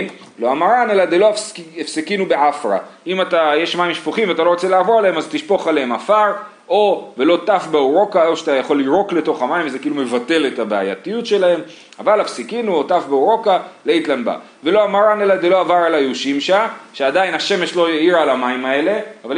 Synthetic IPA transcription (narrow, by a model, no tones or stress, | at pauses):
m | lo̞amaʁanelad̪elo̞efsikinubeʕafʁa̰imatajeʃmaimʃpoχimveat̪̬alo̞ʁot͡selaavoʁaleemazt̪iʃpo̞χaleemafaʁ | ʔo̞velo̞tafbeoʁo̞kaeʃat̪ajaχo̞lːiʁo̞kle̞to̞χamaimvzekiiːlume̞vate̞le̞tabea̰ja̰tijutʃe̞lahe̞m | a̰valafsikinuo̞tafbeoʁo̞kaleit̪lanba̰ | ve̞lo̞amaʁane̞lad̪elo̞avaʁalajeuʃimʃaʃeadainhaʃe̞meʃlo̞eiʁaalamaimae̞le̞aval